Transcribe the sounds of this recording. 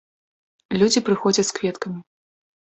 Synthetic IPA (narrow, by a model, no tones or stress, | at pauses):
lʲud͡zʲipɾɨxɔd͡zʲɐtʲskvʲɛt̪kɐmʲi